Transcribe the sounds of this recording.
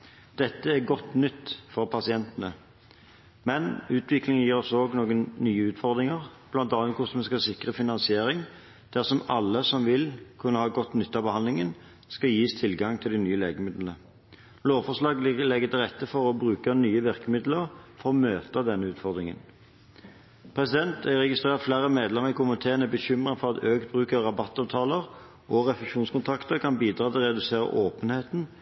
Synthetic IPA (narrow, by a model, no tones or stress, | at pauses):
d̪̥ɛt̪ːəæɡɔt̪ːnʏt̪ːfɔʁpʰɑsɪɛnt̪ənə | mɛnʉːt̪ʰʋɪklɪŋjiːʁɔsoːɡnoːɡənnyːəʉːt̪fɔʁd̪ʁɪŋəʁb̥lɑnt̪ɑnət̪kʰʊsmɛskɑsɪkʁəfɪnɑnsɪeːɾɪŋ | d̪̥æʁsɔmɑlːəsɔmʋɪlkʰʉnːəhɑːɡɔt̪nʏt̪ːɑːbəhɑnd̪lɪŋən | skɑjiːst̪ʰɪlɡɑŋt̪ʰɪld̪ɪnyːəleːɡəmɪd̪l̩nə | loːʋfɔʁʂlɑːɡlɛɡːət̪ʰɪlʁɛt̪ːəfɔʁɔbʁʉːkənyːəʋɪʁkəmɪd̪ləʁfɔʁɔmøːt̪əd̪ɛnːəʉːt̪fɔʁd̪ʁɪŋə̰n | pʰʁɛsɪd̪ɛnt̪æʁɛɡɪst̪ʁeːʁt̪flæːʁəmeːd̪lɛmːəʁkʊmənt̪ʰeːʁənəbəçʏmʁənfɔʁɑt̪øːkt̪̚bʁʉːkəʁːɑbɑt̪ːɑːʋt̪ʰɑːləʁ | ʔɔʁɛfɛʂuːnskʊnt̪ʰɑkt̪əʁkʰɑnbiːd̪ɾɑːt̪ʰɪlʁɛd̪ʉseːʁə̰ʔoːpənheːt̪n̩